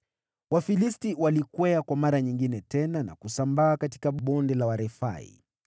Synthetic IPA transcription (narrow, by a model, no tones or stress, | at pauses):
wafilistiwalikwɛakwamaɾaɲiŋɡinɛtɛnana̰kusambaːkati̥kaɓɔndɛlawaɾɛfa̰ḭ